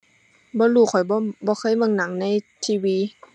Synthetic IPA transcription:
bɔː˧˦luː˧˩˨kʰɔ˨˩jbbɔː˧˦kʰɤː˧˥˨jmɤ˧˨ŋna˨˦ŋna˧˥˨jt̪ʰiː˧wiː˧˦

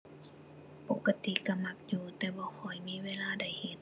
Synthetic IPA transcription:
po˧˦kːa˧t̪i˧˨ka˧ma˧˩k̚juː˧t̪ɛː˧˩bɔː˧˦xʰɔ˨˩jmiː˧˥˨weː˧˥˨laː˧˨da˨˩jhe˨˧˦n̚

